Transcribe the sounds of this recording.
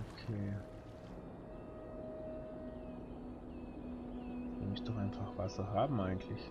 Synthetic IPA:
ʔokʰeː | v̥ɪ̰mɪçd̥ɔχaɪnfaχv̥asɐɦaːbm̩ʔaɪɡŋ̩tʰlɪç

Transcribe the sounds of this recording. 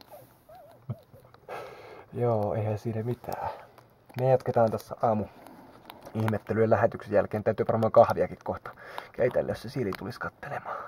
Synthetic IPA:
joːeihænsiːnæmit̪ʰæ̰ː | mejɑt̪ket̪ɑːnt̪æsːæ̰ʔɑːmu | ihmet̪ːelyelæhet̪yksejælkeːnt̪æyt̪yːʋɑrmɑːkɑhʋiɑkikkoht̪ɑ̥kḛit̪æ̰lːḛssesilit̪uliskɑt̪ːe̥lemɑ̥ː

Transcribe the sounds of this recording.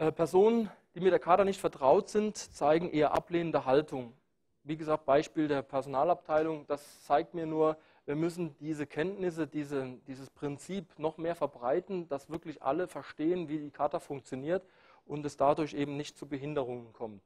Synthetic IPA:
ʔɛːpʰɛɐzoːnənd̥iːmɪtd̥eːɐkʰaːtɐnɪçtfɛɐtʁ̥aʊtz̥ɪntt͡saɪɡŋ̩ʔeːɐʔa̰pleːnəndəɦaltʊŋ | viːɡəzaːk̚t̚b̥aɪʃpiːldeːɐpʰɛɐzonaːlap̚tʰaɪlʊŋd̥as | t͡saɪk̚tmiːɐnuːɐ | viːɐmʏs̬n̩diːzəkʰɛntnɪs̬ədiːzəd̥iːzəspʁ̥ɪnt͡siːpnɔχmeːɐfɛɐbʁaɪtn̩d̥asv̥ɪɐklɪçʔa̰ləfɛɐʃteːənviːdiːkʰaːtɐfʊŋk̚t͡sjoniːɐt | ʔʊntɛsd̥adʊɐçʔeːbm̩nɪçtt͡subəɦɪndəʁ̞ʊŋənkʰɔmt

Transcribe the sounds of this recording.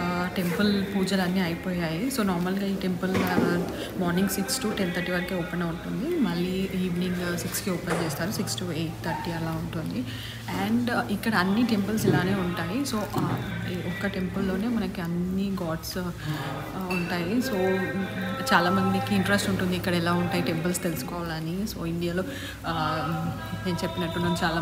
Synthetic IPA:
ʈe̞mpɐlpuːd͡ʒɐlɐnːiaːjipoːjaːjiso̞ːnaːɾmɐlɡaːiːʈe̞mpul | maːɾniŋɡsiksʈuːʈent̪ʰɐɾʈiːʋɐɾkeoːpenɐuɳʈund̪imɐɭːiiːʋniŋɡsikskioːpent͡ʃeːst̪aːɾusiksʈueːʈ̚t̪ʰɐɾʈiːɛlaːuɳʈund̪i | ɛːɳɖikːɐɽɐːnːiʈe̞mpɐlsilaːne̞ːuɳʈaːjiso̞ːʔ | ɔkːɐʈe̞mpɐlːo̞ːne̞ːmɐnɐkiɐnːiɡaːʈs | uɳʈaːjiso̞ː | t͡ʃaːlaːmɐnd̪ikiiɳʈɾesʈuɳʈund̪iːkːɐɽɐɛlaːuɳʈaːjiʈe̞mpɐlst̪elsu̥kɔːʋaːlɐnisoːiɳɖijaːloː | neːnut͡ʃepːinɐʈːunɐnut͡ʃaːlaː

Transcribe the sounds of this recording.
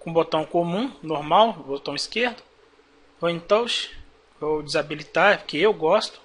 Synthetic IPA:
kõbot̪ɐ̃w̃kõmũnoɾmawbot̪ɐ̃w̃iskeɾd̪ʊ | voẽt̪ɐ̃w̃ʃ | vowd͡ʒɪzabilit̪aɾkɪewɡɔst̪ʊ̥

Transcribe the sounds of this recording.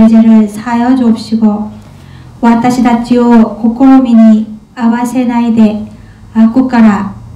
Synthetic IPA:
d͡ʑeɾɯɭsʰajʌd͡ʑop̚ɕ͈iɡo | wat̪͈aɕʰid̪at͡ɕ͈iokokʰoɾomiɲi | abasʰenaid̪e̞ | ak͈uk͈aɾa

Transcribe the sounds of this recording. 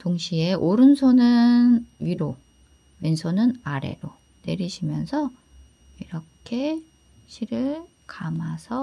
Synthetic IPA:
toŋɕʰie̞ʔoɾɯnsʰonɯnɥiɾo | minsʰonɯnaɾe̞̰ɾo | ne̞ɾiɕʰimjʌnsʰʌ | iɾʌkʰe̞ | ɕʰiɾɯɭ | kamasʰʌ

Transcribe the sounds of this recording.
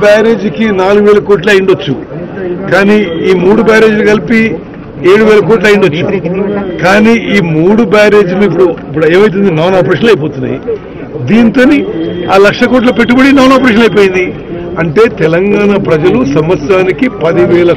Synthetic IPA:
baːɾeːd͡ʒkinaːluɡuʋɛːlɐkoːʈluɐjiɳɖot͡ʃːukaːniːiːmuːɽubaːɾe̞ːd͡ʒuluɡɐlipi | eːɽuʋɛːlɐkoːʈ̬lɐjiɳɖot͡ʃːukaːniːʔiːmuːɽubaːɾe̞ːd͡ʒuluip̬ːuɽuipːuɽue̞ːmɐjt̪̬und̪inaːnaːpɐɾeːʂɐnlɐjp̬oːt̪unːa̰jḭ | d̪iːnt̪o̞ːniaːlɐkʂɐkoːʈ̬lɐpe̞ʈːubɐɽinaːnaːpɐɾeːʂ̬ɐnɐjp̬oːjind̪i | ɐɳʈe̞ːt̪ɛlɐŋɡaːɳaːpɾɐd͡ʒɐlusɐmʋɐt̪sjaːnikipɐd̪iʋɛːlɐ

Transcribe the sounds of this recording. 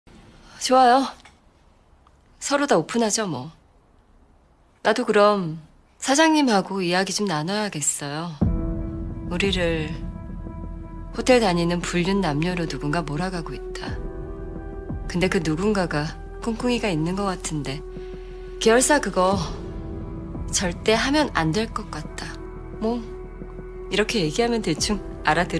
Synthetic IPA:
ʌt͡ɕoajo | sʰʌɾodaopʰunɦad͡ʑomwʌ | nadokɯɾʌm | sʰad͡ʑaŋɲimhaɡoijaɡid͡ʑomnanʌjaɡe̞s͈ʌjo | uɾiɾɯɭ | ɸotʰe̞ɭtaɲinɯnpuʎːunːamɲoɾonuɡunɡamoɾaɡaɡoit̚t͈a | kɯnde̞kɯnuɡunɡaɡa | kʰoŋkʰuŋiɡainːɯnɡʌk͈atʰɯnde̞ | keʌɭs͈akɯɡʌ | t͡ɕʌɭt͈e̞ɦamjʌna̰ndeɭk͈ʌk̚k͈at̚t͈a | mwʌ | iɾʌkʰe̞je̞ɡiɦamjʌntet͡ɕʰuŋ | aɾadɯ

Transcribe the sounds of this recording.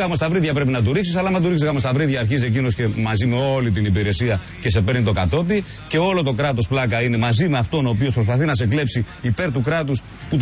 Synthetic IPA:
ɣɐmo̞st̪ɐvɾiðʝɐpɾe̞pinɐt̪̬uɾiksisɐlɐmɐt̪uiksizɣɐmo̞st̪ɐvɾiðʝɐːɾçis̬e̞cino̞sce̞mɐzime̞o̞lit̪inipiɾe̞siɐ | ce̞se̞pe̞ɾnit̪o̞kɐt̪o̞pi | ce̞o̞lo̞t̪o̞kɾɐt̪o̞splɐkɐine̞mɐzime̞ɐft̪o̞no̞ːpiospɾo̞spɐθinɐs̬e̞kle̞psiːpe̞ɾt̪ukɾɐt̪us | put̪

